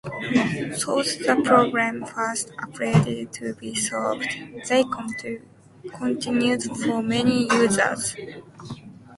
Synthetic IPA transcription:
sɔlsðəpʰɹ̥oɡɹæ̃mfastɔpʰɹeɾɪdtʰɨbisɔlvdðeɪkʰɔ̃mtʰʉ | kʰɔ̃ntʰɪ̃njudfəmɛnijʉːzə̰z̥

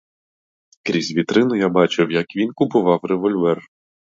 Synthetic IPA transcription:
kɾʲizʲʋʲit̪ɾɪnʊjabɑt͡ʃɪwjɐkʋʲinkʊpʊʋɑwreʋɔlʲʋɛr

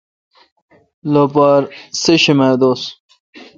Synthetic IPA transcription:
lopaɾseɕimed̪oːs

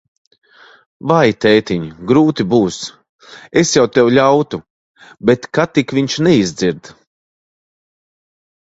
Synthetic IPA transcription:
vajt̪ɛːt̪iɲɡɾuːt̪ibuːs | esjawt̪ɛwʎʲawt̪u | bet̪kat̪ikviɲt͡ʃnɛizd̪ziɾd̪

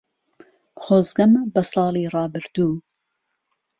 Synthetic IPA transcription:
χoːzɡɐmbɐslɑːlˠiːrɑːbɨɾd̪uː

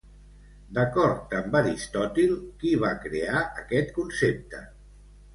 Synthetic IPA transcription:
d̪əkɔɾt̪əmbaɾist̪ɔt̪ilˠkiβakɾeaʔəkɛt̪kunsep̚t̪ə

